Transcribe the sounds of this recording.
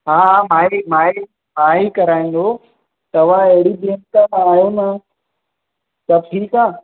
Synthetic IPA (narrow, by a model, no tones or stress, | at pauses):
ɦãːɦãmaːimãːi | maːɦikɐɾaːĩn̆d̪o | t̪ɐʋ̤ãeɦɪɽibeːnkãmãaːjona | sɐb̚ʈʰiːkaː